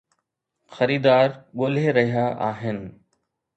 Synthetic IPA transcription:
xɐɾiːd̪aːɾɠoːl̤eɾɐɦijaʔa̰ːɦɪnɪ̆

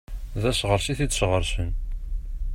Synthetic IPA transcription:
ðæʃʁəɾʃiθid̪ʃʁəɾʃən

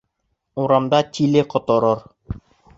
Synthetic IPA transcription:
uɾɑmd̪ɑt̪ʲilɘqŏt̪ŏɾoɾ

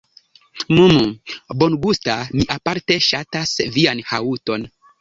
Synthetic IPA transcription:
mumubo̞nɡustamiʔapaɾte̞ʃatasvianhauto̞n

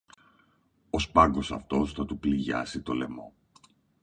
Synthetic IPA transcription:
o̞spɐŋɡo̞sɐ̰ft̪o̞sθɐt̪upliʝɐ̰sit̪o̞le̞̰mo̞

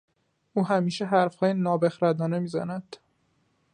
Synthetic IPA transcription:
ʔuːɦæmiːʃeɦæɾfhɒːjenɒːbexɾæd̪ɒːnemiːzæ̰næd̪̥

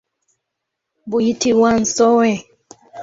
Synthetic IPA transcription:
buitiwan̩sɔwɛ

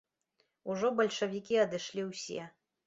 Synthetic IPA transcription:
uʐɔbɐlʲʂɐvʲikʲiɐd̪ɨʂlʲiwsʲɛ̰

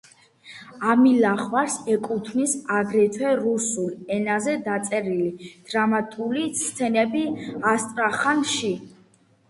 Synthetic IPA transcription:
amilaχvaɾsɛkʼut̪ʰnisaɡɾɛt̪ʰwɛɾusulɛnazɛd̪at̪sʼɛɾilid̪̥ɾamat̪ʼulist̪ʰɛnɛbiast̪ʼɾaχanʃi

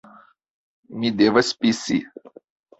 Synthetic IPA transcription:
mʲid̪evɐsʲpʲisḭ

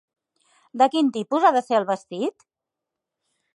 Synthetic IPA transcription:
d̪əkint̪ipuzaðəseəlˠβəst̪it̪

